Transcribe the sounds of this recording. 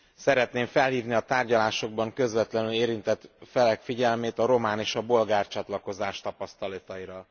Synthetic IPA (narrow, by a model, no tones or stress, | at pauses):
sɛɾɛt̪neːɱfɛlɦiːvniɒt̪aːrɟɒlaːʃo̞ɡ̚bɒŋkø̞zvɛt̪lɛnyleːɾint̪ɛt̪fɛlɛkfiɟɛlmeːt̪ɒɾo̞maːneːʃɒbo̞lɡaːrt͡ʃɒt̪lɒko̞zaːʃt̪ɒpɒst̪ɒlɒt̪ɒiɾɒ